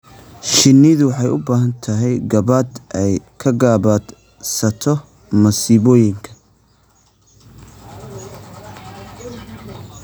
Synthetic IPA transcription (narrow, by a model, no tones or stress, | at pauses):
ʃɪnːiðʊwɑħɑjʊ̰baːɦɐnt̪ʰɐɦɛjɡɐβad̪ʔɛjkʰɐɡaːβad̪ | sɐt̪ʰɔ | mɐsiːβɔːjɪŋkʰɐ